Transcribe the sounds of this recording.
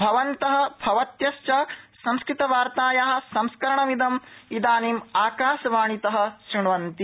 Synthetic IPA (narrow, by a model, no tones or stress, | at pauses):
bʱɐʋɐnt̪ɐɦɐ̆bʱɐʋɐt̪jɐʃt͡ʃɐsɐmskɾit̪ɐʋaːɾt̪aːjaːɦɐ̆sɐmskɐɾɐɳɐmid̪ɐmid̪aːniːmaːkaːʃɐʋaːɳit̪ɐɦɐ̆ʃɾiɳʋɐnt̪i